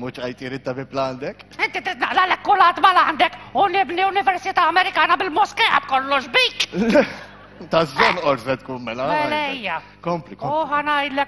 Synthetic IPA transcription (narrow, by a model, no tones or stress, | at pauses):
mʊt͡ʃɐjt̪iɾɪt̪ːɐbɪpːlɐnd̪ɛkɪnt̪it̪ɾiːt̪ːnɐʔlɐlɛkːʊlɐːt̪mɐlɐnd̪ɛkʊnɪbnilʊnɪvɛɾsɪt̪ɐːmɛɾɪkɐːnɐbɪlmɔskɛʔɐ̰kɔlːɔʃbiːklɛ | t̪ɐsd͡ʒɛnʔɔɾsɛt̪kuːnmɛlɐɛlɛɪjːɐ | kɔmplɪħɐnɐjd̪lɛk